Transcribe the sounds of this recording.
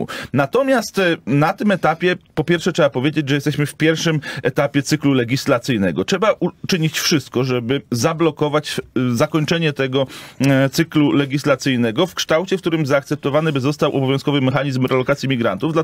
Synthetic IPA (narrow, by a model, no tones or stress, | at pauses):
ṵnat̪ɔmʲjast̪nat̪ɘmɛt̪apʲjɛpɔpʲjɛɾfʂɛtʂɛbapɔvʲjed͡ʑed͡ʑʐɛjɛst̪ɛɕmɘfpʲjɛɾfʂɘmɛt̪apʲjɛt̪sɘklulɛɡʲislat̪sɘjnɛɡɔtʂɛbaʔut͡ʂɘɲit͡ɕfʂɘst̪̚kɔʐɛbɘzablɔkɔvat͡ɕzakɔɲt͡ʂɛɲɛt̪ɛɡɔt̪sɘklulɛɡʲislat̪sɘjnɛɡɔfkʂt̪awt͡ɕɛfkt̪uɾɘmzaːkt̪sɛp̚t̪ɔvanɘbɘzɔst̪awʔɔbɔvjɔ̃skɔvɘmɛxaɲizmɾɛlɔkat̪sʲjimʲiɡɾa̰nt̪uvd̪la